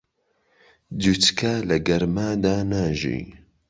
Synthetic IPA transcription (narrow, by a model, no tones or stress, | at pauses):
dutkʰalɐɡɐɾmaːd̪aːnaːʒḭː